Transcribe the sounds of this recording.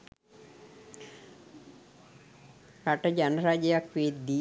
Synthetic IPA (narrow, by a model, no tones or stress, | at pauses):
ɾaʈəd͡ʒanəɾad͡ʒəjakʋiːt̪d̪i